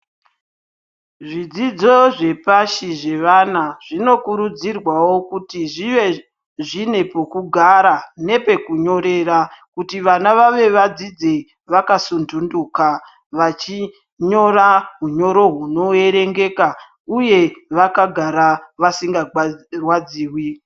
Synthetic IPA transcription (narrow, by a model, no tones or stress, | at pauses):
ʐid͡zid͡zo̞ʐe̞paʃiʐe̞ʋanaʐ̥ino̞kuɾud͡zirwawo̞kutiʐiʋe̞ | ʐine̞pokuɡʱaɾane̞pe̞kuɲo̞ɾe̞ɾakutiʋanaʋaʋe̞ʋad͡zid͡ze | ʋakasundunduka | ʋat͡ʃi | ɲo̞raɦuɲo̞ɾo̞ɦuno̞e̞ɾe̞ŋɡe̞ka | uje̞ʋakaɡʱaɾaʋasiŋɡarwad͡ziːwi